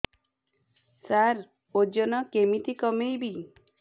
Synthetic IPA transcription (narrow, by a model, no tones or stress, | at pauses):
saɾ | od͡ʒɔnɔkemit̪ikɔmejbi